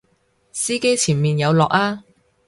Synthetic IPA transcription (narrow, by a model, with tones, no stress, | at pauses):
siː˥ke˥jt͡sʰiː˨˩nmiː˨njɐ˨˧wlɔː˨k̚aː˥